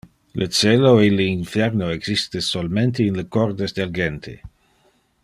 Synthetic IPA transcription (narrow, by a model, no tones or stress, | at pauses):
lʔət͡ʃeloeləinfɛrnoeɡz̥ist̪esolment̪einləkɔrd̪esd̪elɡent̪ʰḛ